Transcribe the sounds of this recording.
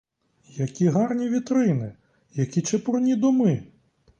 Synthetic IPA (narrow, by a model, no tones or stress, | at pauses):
jɐkʲiɦɑrnʲiʋʲit̪ɾɪnɪ | jɐkʲit͡ʃɛpɾɔnʲid̪ɔmɪ